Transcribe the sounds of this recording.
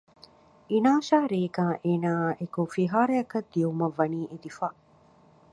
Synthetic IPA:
inaːʃaːɾeːɡaːʔeːnaːʔekofiɦaːɾɐjɐkɐd̪ːiumɐʋːɐniːʔed̪ifaː

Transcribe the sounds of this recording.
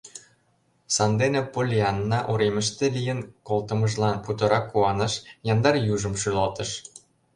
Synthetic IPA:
sɑnd̪enĕpolʲiɑnːɑʔuɾemə̆ʃt̪ĕlijə̆nkolt̪ɤ̆mɤ̆ʒlɑnput̪ɤ̆ɾɑkːuɑnɤ̆ʃjɑnd̪ɑrjuʒɤ̆mʃylot̪ɤ̆ʃ

